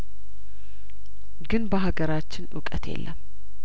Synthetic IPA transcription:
ɡɨnbəɦaɡəɾat͡ʃːɪnʔʊkʼət̪ʰjḛlːəm

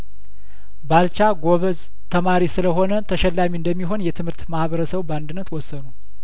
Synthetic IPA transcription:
balt͡ʃaɡo̞βəz | t̪ʰəmaɾisɨləɦo̞nət̪ʰəʃɛlːamiɨnd̪əmːiɦo̞njɛt̪ʰɨmhɨɾt̪mahβəɾəsəβband̪ɨnːət̪wɔsːənu

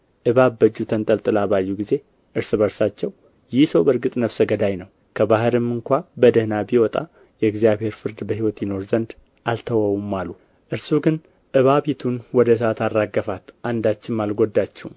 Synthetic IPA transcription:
ʔɨβabːəd͡ʒːut̪ʰənt̪ʼəlt̪ʼɨlaβajːuɡize̞ | ʔɨɾsɨβəɾsat͡ʃːɛw | jɪhsəwbəɾɡɨt̪ʼnəβsəɡəd̪ajnəw | kʰəbahɨɾɨmɨŋkʷabəd̪əhnabiwɔt̪ʼa̰ | jɛɨɡzjaβhe̞ɾfɨɾd̪bəhiwɔt̪jɪno̞ɾzənd̪ | alt̪ʰəwəwumːalu | ʔɨɾsuɡɨn | ʔɨβaβit̪ʰunwɔd̪əs̬at̪ʰarːaɡːəfat̪ʔand̪at͡ʃːɪmmalɡod̪ːat͡ʃːɛhum

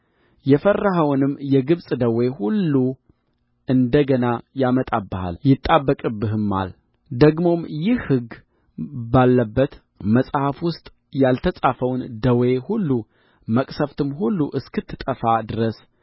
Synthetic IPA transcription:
jɛfərːaɦəwnɨmːjɛɡɨβsʼd̪əwe̞hulːu | ɨnd̪əɡənajamət̪ʼabːəha̰ljɪt̪ʼːabːəkʼɨbːɨɦɨmːa̰l | d̪əɡmo̞mjɪhhɨɡ | balːəbːət̪ | məsʼhafwʊst̪ʼ | jalt̪ʰəsʼafəwnd̪əwehulːu | məkʼsəft̪ʰɨmhulːuʔɨskɨt̪ʰːɨt̪ʼəfad̪ɨɾəs

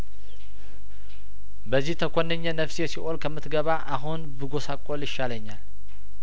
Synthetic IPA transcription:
bəzːiht̪ʰəkʰʷʼonːəɲːənəfsjɛsiʔolkʰəmːɨt̪ɡəβaʔaɦunbɨɡo̞sakʼːoljɪʃːaləɲːal

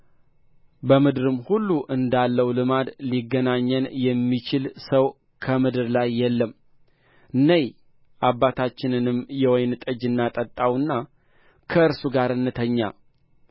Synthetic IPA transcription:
bəmɨd̪ɾɨmhulːuʔɨnd̪alːəwlɨmad̪liɡːənaɲːənjɛmːit͡ʃɪlsəw | kʰəmɨd̪ɨɾlajːɛlːəm | ʔɨnːəj | ʔabːat̪ʰat͡ʃːɪnɨnɨmjɛwɔjnɨt̪ʼəd͡ʒɨnːat̪ʼət̪ʼːawɨnːa | kʰəɨɾsuɡaɾɨnːɨt̪ʰəɲːa̰

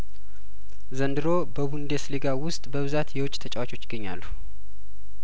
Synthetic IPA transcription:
zənd̪ɨɾobəβund̪esleɡawʊst̪ʼbəβɨzat̪jɛwʊt͡ʃʼt̪ʰət͡ʃʼɛwat͡ʃo̞t͡ʃːɪ̥ɡːəɲːa̰lːu

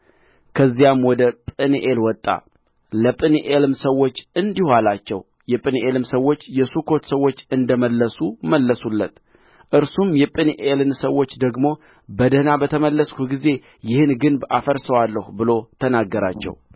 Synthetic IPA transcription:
kʰəzːijamwɔd̪əpʼɨniʔelwɔt̪ʼːa̰ | ləpʼɨniʔelɨmsəwːo̞t͡ʃːɨnd̪ihalat͡ʃːɛw | jɛpʼɨniʔelɨmsəwːo̞t͡ʃːjɛsukʰo̞t̪səwːo̞t͡ʃːɨnd̪əməlːəsuməlːəsulːət̪ | ʔɨɾsumjɛpʼɨnʔelɨnsəwːo̞t͡ʃːd̪əɡmo̞ | bəd̪ənabət̪ʰəməlːəskʰut̪ɡize̞ | jɪhɨnɡɨnba̰fəɾsəwalːəhubɨlo̞t̪ʰənaɡːəɾa̰t͡ʃːɛ̰w

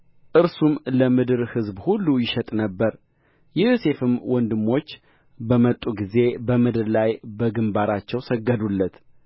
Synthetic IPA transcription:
ʔɨɾsumləmɨd̪ɨɾhɨzbhulːujɪʃət̪ʼnəbːəɾ | jɪhse̞fɨmwɔnd̪ɨmːo̞t͡ʃː | bəmət̪ʼːuɡize̞bəmɨd̪ɨɾlajbəɡɨmbaɾat͡ʃːɛwsəɡːəd̪ulːət̪

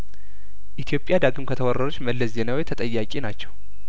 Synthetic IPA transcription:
ʔit̪ʰijo̞pʼjad̪aɡɨmkʰət̪ʰəwɔrəɾut͡ʃːməlːəsze̞nawojt̪ʰət̪ʼəjːakʼinat͡ʃːɛw

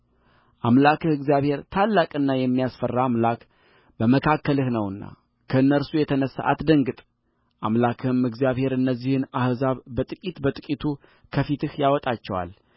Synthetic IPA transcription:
ʔamlakɨhɨɡzijaβhe̞ɾt̪ʰalːakʼɨnːajɛmːijasfərːaamlak | bəməkʰakːəlɨhnəwɨnːa̰ | kʰəɨnːəɾsujɛt̪ʰənəsːa̰ʔa̰t̪d̪əŋɡɨt̪ʼ | ʔamlakʰɨɨmɨɡzijaβhe̞ɾɨnːəzːihɨnahzaβbət̪ʼɨkʼit̪bət̪ʼɨkʼit̪ʰu | kʰəfit̪ɨhjawɔt̪ʼat͡ʃːɛwa̰l

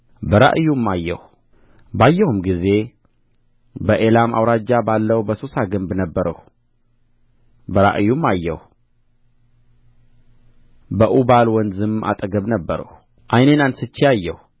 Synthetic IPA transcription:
bəɾa̰ʔjumːajːɛ̰hu | bajːəhumɡize̞ | bəʔelama̰wɾad͡ʒːabalːəwbəsosaɡɨmbnəbːəɾə̰h | bəɾa̰ʔjumːajːɛ̰hu | bəʔubalwɔnzɨmʔa̰t̪ʼəɡəβnəbːəɾə̰h | ʔajnenansɨt͡ʃːiajːɛh

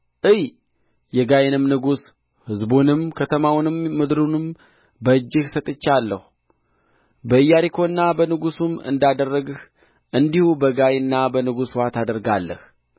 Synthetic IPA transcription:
ʔɨj | jɛɡajnɨmnɨɡus | hɨzbunɨmkʰət̪ʰəmawnɨmːɨd̪ɾunɨm | bəɨd͡ʒːɨhsət̪ʼɨt͡ʃːalːəhu | bəɨjːaɾikʰo̞ɨnːabənɨɡusumɨ̰nd̪ad̪ərːəɡh | ʔɨnd̪ihubəɡajnːabənɨɡuswat̪ʰad̪əɾɡalːəh

